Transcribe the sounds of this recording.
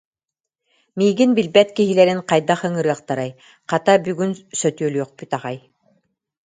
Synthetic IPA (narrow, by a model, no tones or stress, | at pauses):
miːɡinbilbɛt̪kiɦilɛɾiŋqajd̪aχɯŋɯɾɯːɐqt̪aɾaj | qat̪abyɡynsœt̪yœlʲyœχpyt̪aʁaj